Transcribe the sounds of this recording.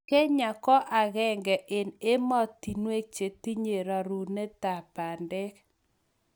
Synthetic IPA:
kɛ˦ɲa˨kɔ˦ʔa˨ɣɛ˦ŋɡɛ˨ʔɪ˨ne˦mɔ˦t̪i˨nwe˦k̚t͡ʃe˨t̪i˦ɲe˨ɾa˨ɾu˨ne˦t̪a˨pa˨ndɛ˦k

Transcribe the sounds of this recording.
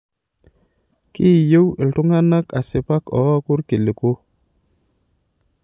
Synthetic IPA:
ki˦˨je˦wi˨ltu˦ŋa˦na˦ka˨se˨pa˦kɔ̰˨˦a˦ku˦ɾki˨li˨ko˦

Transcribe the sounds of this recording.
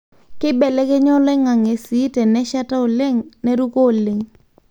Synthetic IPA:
kɪ˦bɛ˨lɛ˦kɪ˦ɲɔ˦lɛ˦ŋa˨ŋe˨si˨˦tɛ˨nɛ˦ʃa˦ta˦o˨le˦ŋne˦ɾu˦ko˦˨le˨ŋ

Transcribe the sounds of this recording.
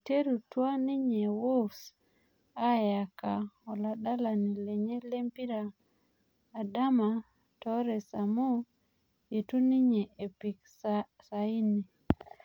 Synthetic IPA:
te˦ɾu˨twa˦ni˦ɲe˨wo˦s | a˦ja˨ka˨ɔ˨la˨da˦la˨ni˨le˨ɲe˦le˦mpi˦ɾaː˨ | da˦ma˨ | tɔ˨˦ɾɛ˨sa˨mo˦ | je˨tu˦ni˦ɲe˨ʔe˨pi˨ks | sa˨i˦ni˨

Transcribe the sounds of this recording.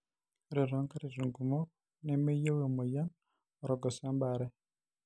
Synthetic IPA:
ɾe˨ɾɔ˨˦ŋka˦ɾi˨zu˨ŋɡu˨mɔ˦ | ne˦me˦je˦we˨mo˨ja˦n | ɔ˨ɾɔ˨ɡɔ˨sa˦mba˨ɾɛ˦

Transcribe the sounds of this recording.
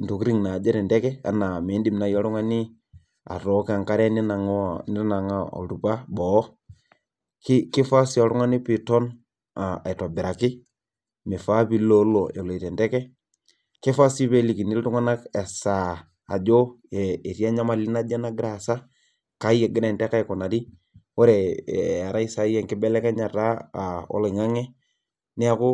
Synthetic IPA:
n˨tu˨kɾi˦ŋna˨d͡ʒɛ˦ɾɛ˨ndɛ˦kɛ˦a̰˨na˨me˨˦ndi˦mna˨jɔ˦ɾu˦ŋa˦ni˦ | a̰˨tɔ˨˦ka˨ŋka˦ɾɛ˦ni˦na˨ŋ˦nɪ˦ɾna˨ŋa˦ɔ̰˨ɾu˨pa˦bɔ˨˦ | kɪ˦kɪ˦fa˦si˦ɔ˨ɾʊ˦ŋa˦ni˦pi˨tɔ˦n | a̰˨i˨tɔ˨bɪ˨ɾa˨kɪ˦ | mɛ˨fa˦pi˦lo˦lo˨e˨lo˨i˨tɛ˨ndɛ˦kɛ˦ | kɪ˦fa˦si˦pe˦li˨ki˨ni˦ltu˦ŋa˦na˦kɛ˨sa˨ | a̰˨d͡ʒo˦ɛ˨e˨ti˦a˦ɲa˦ma˨li˦na˦d͡ʒɛ˦na˦ɡɾa˨sa˦ | ka˨i˦e˨ɡɪ˦ɾɛ˨ntɛ˦ka˦jku˨na˨ti˦ | o˦ɾe˨a˨ɾa˦i˦sa˨˦ɛ˨ŋkɪ˦bɛ˦lɛ˦kɛ˦ɲa˨ta˦a˨ɔ̰˦lɔ˨i˨ŋa˦ŋɛ˦ | nɪ˦a˦kʊ˦

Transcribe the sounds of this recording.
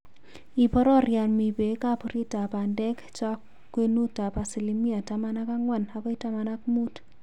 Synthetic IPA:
i˨pɔ˦ɾɔ˦ɾja˨nmi˨pe˨˦ka˦pu˨ɾi˦ta˨pa˨ndɛ˦kt͡ʃa˦kː | we˦nu˦ta˨pa˨si˨li˦mi˦a˨tama˦na˦ka˦ŋwa˦˨na˨kɔ˦i˦ta˦ma˦na˦kmu˦t

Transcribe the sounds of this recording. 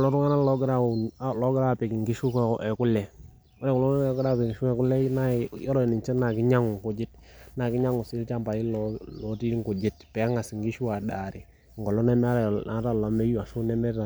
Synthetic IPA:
klɔ˦ɾu˦ŋa˦na˦lɔ˦ɡɾa˦˨˦lɔ˦ɡɪ˦ɾa˦˨pɛ˨ki˨ŋɡi˦ʃu˦kʔɛ˨ku˦lɛ˨ | a˦lɛ˦ku˨lɔ˦ɛ˨kɾa˦˨pɛ˨ʃɛ˨ku˦lɛ˦na˦˨jɔ˦ɾɔ˦˨ni˨nt͡ʃɛ˦na˨kɪ˦ɲa˦ŋʊ˨ŋku˨d͡ʒɪ˦t | na˨kɪ˦ɲa˦ŋu˨si˦lta˦mpa˨ji˦lɔ˦lɔ˨˦ti˦ŋ˦ku˨d͡ʒɪ˦tpɛ˨˦a˦ŋa˨si˨ŋɡi˦ʃu˦wa˨da˨ɾɪ˨ | ŋ˨ɡɔ˨lɔ˦nɛ˦mɛ˦a˦ɾa˨˦ta˦˨la˨mɛ˦ju˦a˨ʃu˦nɛ˦mɛ˦ta˨

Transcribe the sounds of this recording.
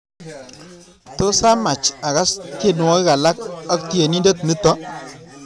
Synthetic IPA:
to˦sa˦ma˨t͡ʃa˨ɣa˦ske˦nu˨wɔ˦ka˨la˦ka˦kt̪i˦je˨ni˦nde˦t̪mi˦t̪ɔ˦

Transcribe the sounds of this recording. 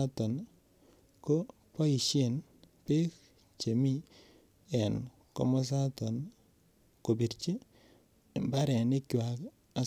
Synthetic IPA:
a˦tɔ˨n | ko˦ | pɔ˦i˨ʃe˦˨n | pe˦k | t͡ʃe˨mi˦ | ɛ˨n | kɔ̰˦mɔ˦s̬a˦tɔ˨n | ko˨bi˨ɾt͡ʃi˦˨ | mba˦ɾɛ˨nɪ˦kwa˨k | a˨

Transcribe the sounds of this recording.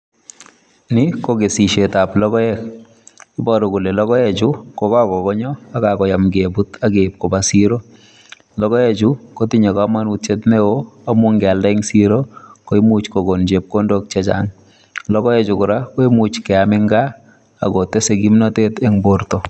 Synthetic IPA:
nɪ˦koɡesi˨ʃe˨ta˨plɔ˦kɔ˦ɛk | ɪ˦bɔɾɔ˨ku˨le˨lɔ˦kɔ˦ɛt͡ʃu˦kɔ˨ka˦kɔ˨kɔ˦ɲɔ˦a˦kakɔ˨ja˨mɡebu˦taɡe˨p̚kɔbasiɾo˦ | lɔkɔ˦ɛt͡ʃu˦ko˦tiɲa˨kama˦nut̚t͡ʃe˦tneoa˦mu˦ŋɡɛ˨lda˦ɪŋsi˦ɾoko˦i˦mut͡ʃko˨ɡond͡ʒe˨p̚ko˦ndok̚t͡ʃɛ˦t͡ʃa̰ŋ | lɔ˦kɔ˦ɛ˦t͡ʃʊ˨kʊ˨ɾa˦ko˦i˦mut͡ʃkɛ˨amɪ˦ŋɡa˦ | a̰˨ɡote˦seɡi˦mnatetɛ˦ŋboɾtɔ˨

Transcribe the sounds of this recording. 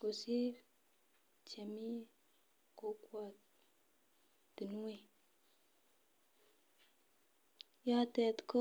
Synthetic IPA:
ko˨si˦ | t͡ʃe˨mi˦ | ko˨˦kwa˨ | ti˨nu˦we˨ | ja˦te˨tko˦

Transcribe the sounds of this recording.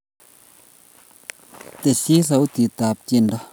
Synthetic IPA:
t̪e˨si˦sa˨˦wt̪i˨t̪a˨p̚t͡ʃi˧˨ndɔ˧˦

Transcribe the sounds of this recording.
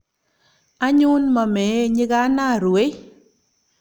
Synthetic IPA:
a˦ɲu˦nma˨me˨˦ɲɪ˦ɡa˦na˦˨ɾwe˦

